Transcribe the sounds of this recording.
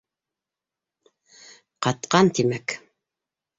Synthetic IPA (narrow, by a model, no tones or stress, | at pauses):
qɑt̪qɑnt̪imæk